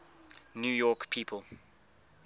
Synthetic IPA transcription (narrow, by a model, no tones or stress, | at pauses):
njuːjɔkpʰiːpʰəlˠ